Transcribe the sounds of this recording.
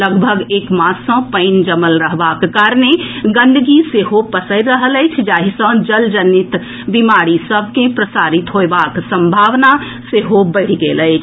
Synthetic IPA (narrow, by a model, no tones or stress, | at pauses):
ləɡbʱəɡeːkmasə̃pəɪnd͡ʒəməlɾəɦbakːaɾneɡə̃nd̪ʱɡiseɦopəsəɪɾɾəɦələɪt͡ʃʰd͡ʒaɦisə̃d͡ʒəld͡ʒənit̪ | bimaɾisəb̚ʱkẽpɾəsaɾit̪ɦoebaksə̃mbʱaʋna | seɦobəɽiɡeləɪt͡ʃʰ